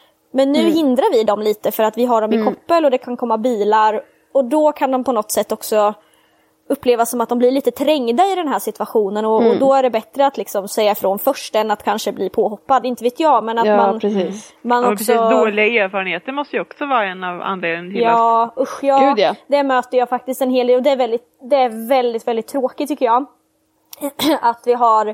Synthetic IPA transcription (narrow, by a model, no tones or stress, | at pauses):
mɛnːʉ̟ːɦɪnd̪ɾaɾvɪd̪ɔmliːt̪əfœɾat̪vɪɦaɖɔmɪkʰɔpːəlɔd̪ɛkʰankʰɔmːabiːlaɾ | ɔd̪ɔkʰand̪ɔmpʰɔnɔt̪ːsɛt̪ːɔksɔ | ɵpːleːvasːɔmat̪d̪ɔmblɪɾɭiːt̪ət̪ʰɾɛŋːd̪aɪd̪ɛnɦæːʂɪt̪vaɧuːnənɔːd̪ɔæɖɛbɛt̪ɾəat̪lɪksɔmsɛjːafɾɔnfœʂʈɛnːat̪kʰanʂəbliːpʰoːɦɔpːad̪ɪnt̪əveːt̪jɑːmɛnatt̪maniːmanɔksɔd̪lɪaeːɾfɑːɾənheːt̪əɾmɔst̪əjʉɔksɔvɑːɾaɛnɑva̰nleːd̪njɑːʊɧjɑːʉd̪d̪̥æɾmøːt̪əjɑːfak̚t̪ɪst̪ɛnɦeːld̪eːlɔd̪ɛæɾvɛld̪ɪt̪d̪ɛæɾvɛld̪ɪt̪vɛld̪ɪt̪ʰːɾoːkɪt̪ːʏkːəɾjɑː | at̪vɪɦaɾ